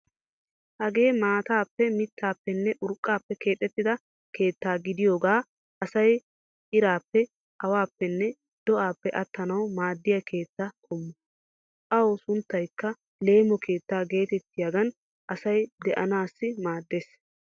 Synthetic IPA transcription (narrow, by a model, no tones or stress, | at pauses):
hɐɡe̞ːmaːt̪aːpːɛmɪt̪ːaːpːɛnːɛʔʊɾkʼːaːpːɛkʰe̞ːt̪ʼːɛt̪ːɪd̪ɐ | kʰe̞ːt̪ːaːɡɪd̪ɪjoːɡaː | ʔɐsɐj | ʔɪɾaːpːɛ | ʔɐwaːpːɛnːɛ | d̪̥ɔʔaːpːɛʔɐt̪ːɐnɐwmaːd̪ːɪjɐkʰe̞ːt̪ːakʰɔmːɔ | ʔɐwsʊnt̪ːɐjkːɐ | le̞ːmɔkʰe̞ːt̪ːaːɡe̞ːt̪ɛt̪ːɪjaɡɐn | ʔɐsɐjd̪ɛʔɐnaːsːɪmaːd̪ːeːs